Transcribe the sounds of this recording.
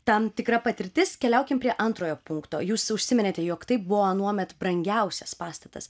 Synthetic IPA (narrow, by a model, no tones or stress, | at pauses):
t̪ɐmt̪ʲɪkɾɐpɐt̪ʲɪɾʲt̪ʲɪskʲɛlʲɛʊkʲɪmpʲɾʲiɛʔɐnt̪ɾoːjoːpʊŋkt̪o̰ːjuːsʊʃʲsʲɪmʲɪnʲeːt̪ʲɛjoːkt̪ɐɪp̚bʊʋonuɔmʲɛt̪bɾɐŋʲɡʲɛʊsʲɛspɑːst̪ɐt̪ɐ̰s